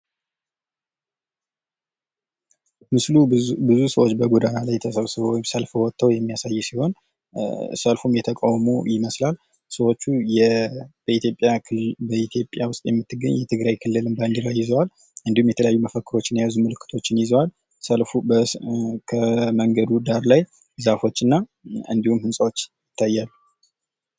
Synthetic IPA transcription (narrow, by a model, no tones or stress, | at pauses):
mɨslubɨzusəwo̞t͡ʃːbəɡud̪ajalajt̪ʰəsəβsɨβowjmsəlfwɔt̪ʰːəwjɛmːijasajːɛsiho̞n | səlfumjɛt̪ʰəkʼawmṵjɪməslal | səwo̞t͡ʃːujɛbəit̪ʰjo̞pʼjabəit̪ʰjo̞pʼjawʊst̪ʼjɛmːɨt̪ːɨɡəɲjɛt̪ʰɨɡɾajkʰɨlːɨlɨmband̪ɨɾajɪzəwal | ɨnd̪ihumjɛt̪ʰələjajːuməfəkːɨɾo̞t͡ʃːɪnjazumɨlɨkʰːɨt̪ʰo̞t͡ʃːɪnjɪzəwal | səlfubəkʰəməŋɡəd̪ud̪aɾlaj | zafo̞t͡ʃːɨnːaɨnd̪ihumhɨnsʼawot͡ʃːjɪt̪ʰːajːalːu